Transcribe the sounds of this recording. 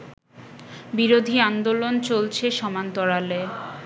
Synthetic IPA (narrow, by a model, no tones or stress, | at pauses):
biɾod̪ʱiand̪olont͡ɕolt͡ɕʰeʃɔmant̪ɔɾale